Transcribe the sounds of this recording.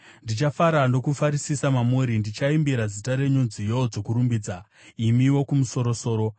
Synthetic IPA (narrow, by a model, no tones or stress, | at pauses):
ndit͡ʃafaɾando̞kufaɾisisamamuɾindit͡ʃaimbiɾazitaɾe̞ɲund͡zijo̞d͡zo̞kuɾumbiːd͡za | imiwo̞kumuso̞ɾo̞so̞ːɾo̞